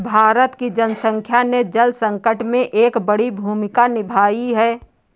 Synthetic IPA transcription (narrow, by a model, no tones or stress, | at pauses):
bʱaːɾət̪kid͡ʒənəsə̃ŋkʰjaned͡ʒəlsə̃ŋkəʈmẽʔeːkbəɽibʱuːmɪkanɪbʱaːiɦɛː